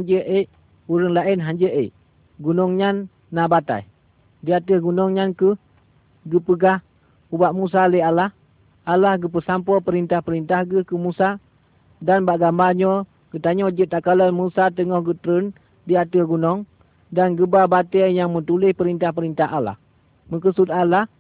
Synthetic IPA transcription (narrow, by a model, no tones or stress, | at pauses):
aɲd͡ʒəʔə | uɾəŋlaɪnɦaɲd͡ʒəʔə | ɡunɔŋɲanː | abat̪a̰j | diat̪əhɡunɔŋɲankəh | ɡəpəɡah | ubaʔmus̬aləalah | ʔalahɡəp̬əsampɔpəɾint̪ahpəɾint̪ahɡəhkəmusa | danbaʔɡambaɲɔ | ɡ̥ət̪aɲɔd͡ʒət̪akalanmusat̪̬əŋɔhɡət̪ɾən | diat̪əɡunɔŋ | danɡəbabat̪əjaŋmət̪ulɪhpəɾint̪ahpəɾint̪aɦala̰h | məkəsut̪alah